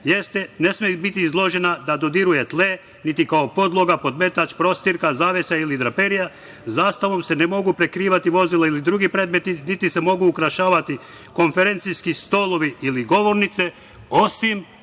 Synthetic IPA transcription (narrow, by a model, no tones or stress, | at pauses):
je̞st̪ene̞smebit̪iːzlˠo̞ʒe̞nad̪ad̪o̞d̪iɾuje̞t̪le | nit̪ikaopo̞d̪lˠo̞ɡapo̞d̪me̞t̪at͡ʃpɾo̞st̪iɾkazaːʋesailid̪ɾapeɾija | zaːst̪aʋo̞mse̞nemo̞ɡupɾe̞kɾiːʋat̪iʋo̞zileilid̪ɾuːɡipɾe̞ːd̪me̞t̪init̪ise̞mo̞ɡuːkɾaʃaːʋat̪i | ko̞ɱfe̞ɾe̞nt̪sijskist̪o̞lo̞ʋiiliɡo̞ʋo̞ɾnit̪se̞ | osim